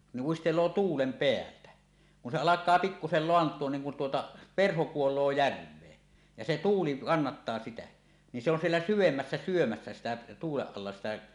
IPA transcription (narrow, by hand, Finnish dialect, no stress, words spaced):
ni uistelˑoː tuːlem peæltæ kun se ɑlɑkˑɑː pikːusel loɑntˑuon niŋ kun tuotɑ perho kuolˑoː jærʋˑeː jɑ se tuːli kɑnːɑtːɑː sitæ ni se on sielːæ syʋemːæsːæ syomæsːæ sitæ tuːleʔ ʔɑlːɑ sitæ